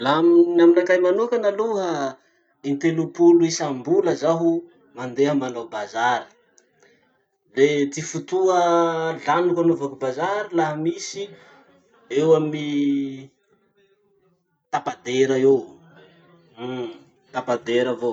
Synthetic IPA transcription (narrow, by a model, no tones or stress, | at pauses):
laaminaminakajmanukanaluɦə | int̪elupuluisambuləzaɦu | mand̪eɦəmanobazaɾi̥ | d̪et̪ifut̪uəɮanukanovakubazaɾilaɦəmisi | ewami | t̪apad̪eɾaew | t̪apad̪eɾavo